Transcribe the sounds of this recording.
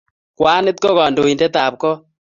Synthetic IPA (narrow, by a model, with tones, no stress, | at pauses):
kwa˦nɪ˦t̚ko˦ɣa˨ndo˨i˨ndɛ˦taː˨p̚kɔ˦